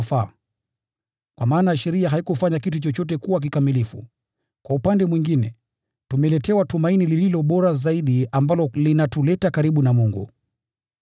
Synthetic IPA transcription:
faː | kwamaːnaʃɛɾiaɦaikufaɲakitut͡ʃɔt͡ʃɔt̬ɛkuwak̬ikamilifṵ | kwaupandɛmwiŋɡinɛ | tumɛlɛtɛwatumainilililɔɓɔɾazaiɗiambalɔlinatulɛtakaɾiɓunamuŋɡṵ

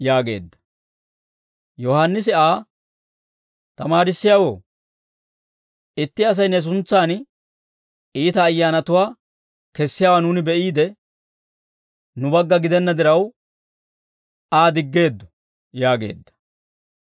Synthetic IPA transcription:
jaːɡe̞̰ːd̪ːɐ̥ | jɔhanːɪs̬ɪaː | t̪ɐmaːɾɪsːɪjawo̰ː | ɪt̪ːɪɐs̬ɐjnɛs̬ʊnt͡sːaːn | iːt̪ɐːjːaːnɐt̪ʊwaː | kɛsːɪjaːwanuːnɪbɛʔiːd̪ɛ | nʊbɐɡːɐɡɪd̪ɛnːɐd̪ɪɾɐw | aːd̪ɪɡːe̞ːd̪ːɔ̥ | jaːɡe̞̰ːd̪ːɐ̥

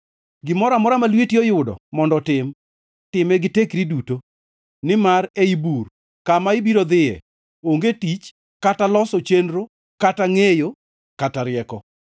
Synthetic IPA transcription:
ɡɪmɔɾamɔɾamalwetiɔjʊdɔ̰mɔndɔtɪm | tɪmɛɡɪtekɾiduto | nɪmaɾeibur | kamaɪbiɾod̪ɪjɛ̰ | oŋɡetit͡ʃ | katalɔsɔt͡ʃenɾo | kataŋejo | kataɾɪɛkɔ

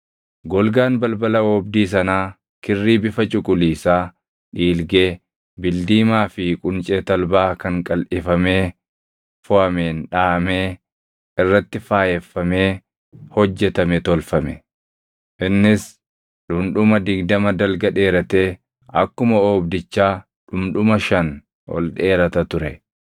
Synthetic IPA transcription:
ɡɔlɡaːnbɐlbɐlɐoːbd̪iːs̬ɐnaː | kɪrːiːbɪfɐt͡ʃʼʊkʼʊliːsaː | ᶑiːlɡe̞ː | bɪld̪iːmaːfɪkʼʊnt͡ʃʼeːt̪ɐlbaːkɐŋkʼɐlʔɪfɐme̞ː | fʊɐmeːnᶑaːmeː | ɪrːɐt̪ːɪfaːjɛfːɐme̞ː | hɔd͡ʒːɛt̪ɐmɛt̪ɔlfɐmɛ | ʔɪnːɪs | ᶑʊmᶑʊmɐd̪ɪɡd̪ɐmɐd̪ɐlɡɐᶑe̞ːɾɐt̪e̞ː | ɐ̰kːʊmɐoːbd̪ɪt͡ʃːaː | ᶑʊmᶑʊmɐʃɐn | ɔ̰lᶑe̞ːɾɐt̪ɐt̪ʊɾɛ

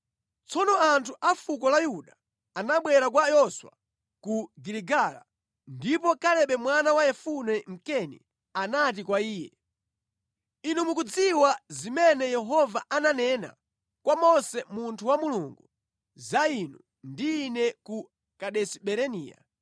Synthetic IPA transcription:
t͡sɔnɔantʰuʔafuk̬ɔlajuɗa | anaɓwɛɾak̬wajɔswa̰ | kuɡiliɡala̰ | ndipɔkalɛɓɛmwanawajɛfunɛm̩kɛnḭ | anatikwaiːjɛ̰ | inumukud͡ziwazimɛnɛjɛɦɔvaananɛna̰ | kwamɔsɛmuntʰuwamuluŋɡu | zainu | ndiːnɛku | kaɗɛsiɓɛɾɛnḭːja̰

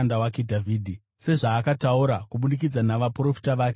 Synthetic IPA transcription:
ndawakedʱavʱiːdʱi | se̞ʐaːkatauɾakuɓunik̬id͡zanaʋapro̞fi̥taʋaːke

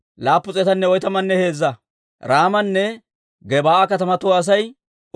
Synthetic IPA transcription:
laːpːʊt͡sʼɛt̪ɐnːɛɔjt̪ɐmɐnːɛhe̞ːzːɐ | ɾaːmɐnːɛ | ɡɛbaːɐkɐt̪ɐmɐt̪ʊwːs̬ɐj

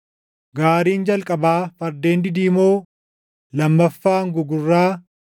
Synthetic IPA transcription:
ɡaːɾiːnd͡ʒɐlkʼɐbaːfɐɾd̪eːnd̪ɪd̪iːmoː | lɐmːɐfːaːŋɡʊɡʊrːaː

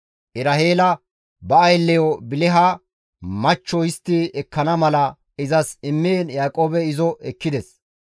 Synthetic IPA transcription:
ʔɪɾɐheːlɐ | bɐɐjlːɛjɔbɪlɛɦa | mɐt͡ʃːɔjɪst̪ːɪɛkːɐnɐmɐlɐ | ɪzɐsɪmːeːnjaːkʼoːbɛɪzɔʔɛkːɪd̪ɛs

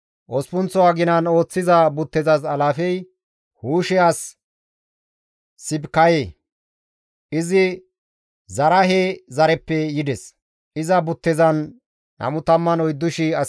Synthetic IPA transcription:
ʔɔspʊnt͡sːɔwaːɡɪnɐno̞ːt͡sːɪzɐbʊt̪ːɛzɐzɐlaːfɛj | huːʃɛas | ɪbkɐjeː | ʔɪzɪ | zɐɾɐɦezɐɾɛpːɛjɪd̪ɛs | ʔɪzɐbʊt̪ːɛzɐn | nɐ̰mʊt̪ɐmːɐnɔjd̪ːʊʃɪɐ

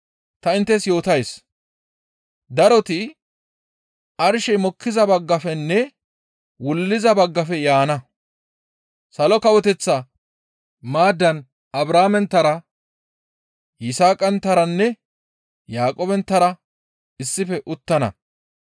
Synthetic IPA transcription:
t̪ɐɪnt̪ːɛsjo̞ːt̪ɐjs | d̪ɐɾɔt̪ɪ | ɐɾʃɛjmɔkːɪzɐbɐɡːɐfɛnːɛ | wʊlːɪzɐbɐɡːɐfɛjaːnɐ | sɐlɔkɐwɔt̪ɛt͡sːɐ | maːd̪ːɐn | ɐbɾaːmɛnt̪ːɐɾɐ | jɪsaːkʼɐnt̪ːɐɾɐnːɛ | jaːkʼoːbɛnt̪ːɐɾɐ | ɪsːɪfɛʔʊt̪ːɐnɐ̰

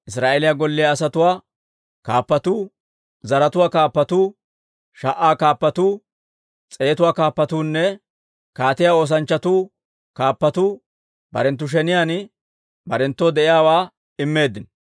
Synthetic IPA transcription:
ʔɪsɾaːʔelɪjaɡɔlːɪjaːsɐt̪ʊwaː | kaːpːɐt̪uː | zɐɾɐt̪ʊwaːkaːpːɐt̪uː | ʃɐʔːaːkaːpːɐt̪uː | t͡sʼe̞ːt̪ʊwaːkaːpːɐt̪uːnːɛ | kaːt̪ɪjaːo̞ːs̬ɐnt͡ʃːɐt̪uː | kaːpːɐt̪uː | bɐ̰ɾɛnt̪ːʊʃ̬ɛnɪjaːn | bɐɾɛnt̪ːɔd̪ɛʔɪjaːwaː | ɪmːe̞ːd̪ːɪn

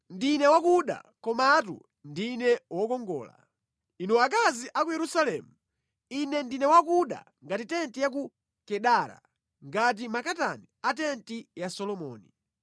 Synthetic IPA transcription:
ndinɛwakuɗa̰kɔmatṵ | ndinɛwɔkɔŋɡɔ̰ːla̰ | inuakaziʔakujɛɾusalɛmu | inɛndinɛwak̬uɗa̰ | ŋɡatitɛntijak̬u | kɛɗaɾa̰ | ŋɡat̬imakataniatɛntijasɔlɔmɔ̰ːni

